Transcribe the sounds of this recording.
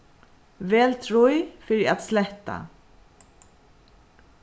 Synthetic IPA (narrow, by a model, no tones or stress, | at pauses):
vɛːlt̪ʰɾujfœɾat̪slɛht̪ːa̰